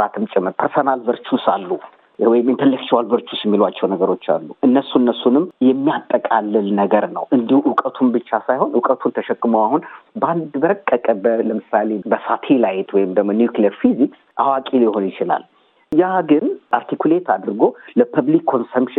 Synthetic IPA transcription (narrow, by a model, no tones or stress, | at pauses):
at̪ʰɨmt͡ʃʼɪmːɨɾpʰəɾsonalbəɾt͡ʃusalːu | wɔjɪmɪnt̪ʰəlːəkt͡ʃɪwalbəɾt͡ʃʰusɪmːilwat͡ʃːɛwnəɡəɾo̞t͡ʃːa̰lːuʔɨnːəsːuɨnːəsːunɨmjɛmːijat̪ʼːəkʼalːɨlnəɡəɾnə̰wʔɨnd̪ihuʔʊkʼət̪ʰumbɨt͡ʃːasajho̞nʊkʼət̪ʰunt̪ʰəʃɛkːɨməwahunband̪bəɾəkʼːəkʼəbələmɨsale̞bəsat̪ʰelajɪt̪wɔjɪmd̪əɡmonijuklijəɾfizi | ʔawakʼiljɪho̞njɪt͡ʃɪla̰l | jaɡɨnaɾt̪ʰikule̞t̪ʰad̪ɾɨɡo̞ləpʰəβlikʰːo̞nsəmʃɪ